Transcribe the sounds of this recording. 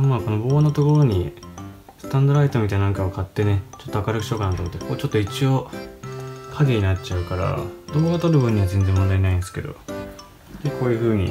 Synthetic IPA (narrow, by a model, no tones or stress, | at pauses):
maːko̞nobo̞ːnot̪o̞ko̞ɾo̞ɲ̟i | sɨ̥t̪ãnd̪o̞ɾait̪omit̪ainãŋkaβkʰat̪ːe̞ne̞t͡ɕo̞t̪ːo̞akaɾɯkɯ̟̥ɕo̞ːkanat̪omot̪ːekʰo̞ːt͡ɕot̪ːo̞it͡ɕio̞ | kʰaɡeɲ̟inatt͡ɕaɯ̟kaɾa̰d̪omoɡat̪oɾɯ̟bɯ̟̃ɲ̟ːiβazenzẽ̞mːond̪ainaĩnd̪esɨ̥ke̞d̪o̞̰ | d̪ekʰo̞ːjɯ̟ːɸɯ̟ːɲ̟ḭ